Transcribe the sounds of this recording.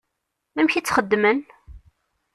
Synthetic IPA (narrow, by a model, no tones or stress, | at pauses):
æmçit͡sːχəd̪ːmən